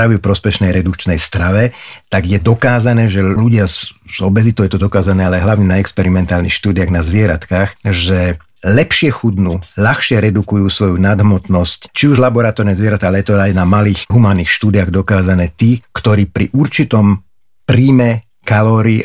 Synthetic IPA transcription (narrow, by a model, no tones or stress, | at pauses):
ɾaʋiupɾɔspɛʃnɛjɾɛd̪ukt͡ʃnɛjst̪ɾaʋɛt̪aɡjɛd̪ɔkaːzanɛːʒɛluɟɪazzɔbɛzit̪ɔʊɛt̪ɔd̪ɔkaːzanɛːalɛɦlaʊɲɛnaɛkspɛɾimɛnt̪aːlnixʃt̪uːd̪ɪjaɣnazʋɪɛɾat̪kaːxʒɛ | lɛpʃɪɛxud̪nuʎaxʃɪɛɾɛd̪ukujuːsʋɔjunad̪ɦmɔt̪nɔsct͡ʃiuʒlabɔɾat̪ɔɾnɛzʋɪɛɾat̪aalɛjɛt̪ɔajnamaliːxɦumaːniːxʃt̪uːd̪iaɣd̪ɔkaːzanɛːt̪iːkt̪ɔɾiːpɾḭʔuɾt͡ʃit̪ɔm | pɾiːmɛ | kalɔːɾi